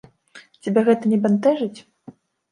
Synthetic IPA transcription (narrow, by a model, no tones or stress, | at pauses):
t͡sʲabʲɛɣɛt̪ɐnʲɛbant̪ɛʐɨt͡sʲ